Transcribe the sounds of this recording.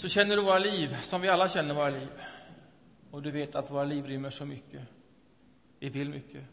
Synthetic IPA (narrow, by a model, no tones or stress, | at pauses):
sɔɕɛnːəɖɵvoːɾaliːʋsɔmʋɪalːəɕɛnːəɾʋoːɾaliːv | ɔd̪ʉveːt̪at̪ʋoːɾaliːʋɾʏmːəʂɔmʏkːə | ʋɪvɪlmʏkːə